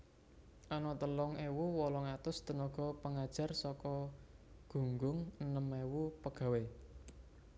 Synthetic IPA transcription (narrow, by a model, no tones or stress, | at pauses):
ʔanɔt̪əlɔŋewuwɔlɔŋat̪ʊst̪ənɔɡ̥ɔ̤pəŋad̥ʒ̥a̤rsɔkɔɡ̥ṳŋɡʊŋənəmewupəɡ̥a̤we